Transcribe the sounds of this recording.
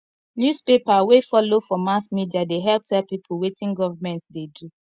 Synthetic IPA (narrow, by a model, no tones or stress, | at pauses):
njuspepawefɔlofɔmasmidiadeɦɛlp̚tʰɛlpipʰulwetĩnɡɔvamɛ̃ntdedu